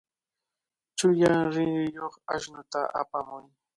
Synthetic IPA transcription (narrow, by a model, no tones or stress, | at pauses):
t͡ʃʊjaŋɾɪnʊjoχa̰ʃnʊt̪a̰ʔa̰pamʊj